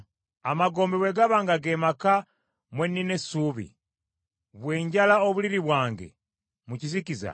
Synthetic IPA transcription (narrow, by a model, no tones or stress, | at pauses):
amaɡo̞ːmbeweɡaβaːŋɡaɡemaka | mwenːinesuβḭ | βwe̞ːɲɟalaoβuliɾiβwaːŋɡḛ | mucizikiza̰